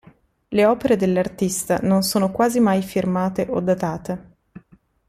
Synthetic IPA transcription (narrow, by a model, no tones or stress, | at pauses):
leɔːpeɾed̪elːart̪ist̪anonsoːnokwaːzimajfirmaːt̪eʔod̪ːat̪aːt̪e